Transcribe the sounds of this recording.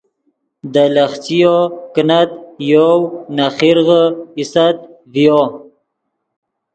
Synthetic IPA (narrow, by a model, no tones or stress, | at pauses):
d̪əlaχt͡sijokənat̪̚jownaχiɾɣəisat̪̚ | vjo